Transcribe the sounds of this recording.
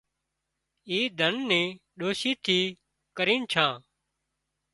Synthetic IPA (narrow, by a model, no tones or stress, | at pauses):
iːd̪ʱənːẽːɗoːʃiːt̪ʰiː | kəɾiːnt͡ʃʰãː